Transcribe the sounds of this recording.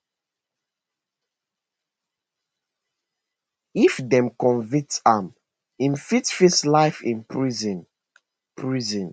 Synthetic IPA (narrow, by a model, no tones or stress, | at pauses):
ifdɛ̃mkɔ̃nvĩk̚tam | ĩmfitfislaɪfḭ̃npʰɹiz̃n | pʰɹizɔ̃n